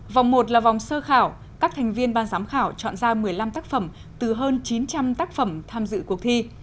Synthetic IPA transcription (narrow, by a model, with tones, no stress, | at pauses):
va˨˩wŋ͡mmo˨˩t̬̚laː˨˩va˨˩wŋ͡msəː˧xaː˧˩w | kaː˦˥k̚t̪ʰɛ˨˩ŋ̟vi˧ənɓaː˨˩nzaː˨˦mxaː˧˩wt͡ɕɔ̰˧˨nzaː˧mɨ˨˩əjla˧mt̪aː˦˥k̚fə˧˩m | t̪ɨ˨˩ɦəː˧nt͡ɕi˨˦nt͡ɕa˧mt̪aː˦˥k̚fə˧˩mt̪ʰaː˧mzɨ̰˧˨ku˨˩ək̚t̪ʰi˧